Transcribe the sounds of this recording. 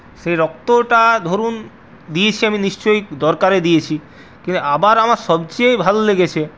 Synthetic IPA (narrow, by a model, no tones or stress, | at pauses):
ʃejɾɔk̚t̪oʈad̪ʱoɾun | d̪ijet͡ɕʰiaminiʃt͡ɕojkd̪ɔɾkaɾed̪ijet͡ɕʰi | kint̪uabaɾamaɾʃɔbt͡ɕejbʱaloleɡet͡ɕʰe